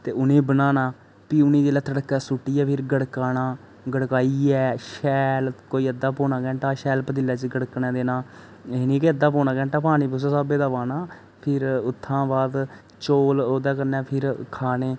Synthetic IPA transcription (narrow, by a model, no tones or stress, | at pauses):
t̪eːʊnẽːbənaːnaː | piːʊnĩːd͡ʒeːlaːt̪ʰəɽəkːɛːsʊʈːiːɛːpʰɪɾɡəɽkaːnaː | ɡəɽkaːiːɛːʃɛːlkoːiːəd̪ːaːpoːnãːkɛ̃ːɳʈaːʃɛːlpəd̪ɪlːaːt͡ʃɡəɽknɛ̃ːd̪eːnaː | enĩːkeəd̪ːaːpoːnãːkɛ̃ːɳʈaːpaːniːpʊsaːsaːbeːd̪aːʋaːnaː | pʰɪɾʊt̪ʰːãːbaːd̪ | t͡ʃoːloːd̪aːkəɾnɛːpʰɪɾkʰaːneː